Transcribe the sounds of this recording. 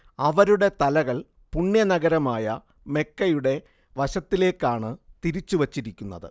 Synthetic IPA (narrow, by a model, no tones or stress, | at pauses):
ɐʋɐɾuɽe̞t̪ɐlɐɣɐɭ | puɳːjɐnɐɡɐɾɐmaːjɐ | me̞kːɐjuɽe̞ | ʋɐɕɐt̪ːile̞ːkːaːɳɨt̪iɾit͡ɕːuʋɐt͡ɕːiɾikʲːunːɐ̰ðɨ̰